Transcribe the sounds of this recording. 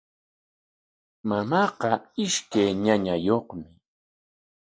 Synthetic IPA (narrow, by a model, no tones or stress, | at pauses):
mamɑːqɑɪʃkajɲaɲajoχmɪ